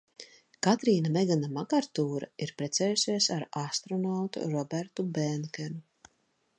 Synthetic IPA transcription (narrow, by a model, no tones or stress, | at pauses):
kat̪ɾiːnamɛɡanamakaɾt̪uːɾa̰iɾpɾɛt̪sɛːjusʲiɛsaɾast̪ɾɔnawt̪ṵɾɔbæɾt̪ubɛnkʲɛnu